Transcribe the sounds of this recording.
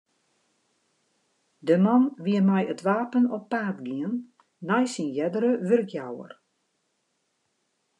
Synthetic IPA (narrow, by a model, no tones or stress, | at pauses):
dəmanʋiəmɛjətʋaːpənɔpːaːtɡiənː | ajsinjɛdəɾəʋørkjawə̰r